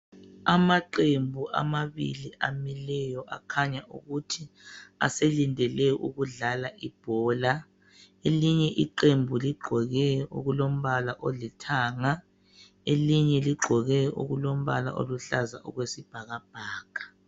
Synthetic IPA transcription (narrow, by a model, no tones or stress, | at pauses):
amaǃembʱuʔa̰maβḭliʔamilɛjɔʔa̰kʰaɲaʔṵɣutʰia̰selindʱɛlɛʔṵɣuɮalaʔib̥ʱɔːla | eliɲɛʔiǃembʱuliɡ͡ǃʱɔɣɛṵɣulom̩βalaʔolitʰaːŋa | eliɲɛliɡ͡ǃʱɔɣɛʔṵɣulom̩βala̰ʔo̰luɬaza̰ʔṵɣwesib̥ʱaɣab̥ʱaːɡ̥ʱḁ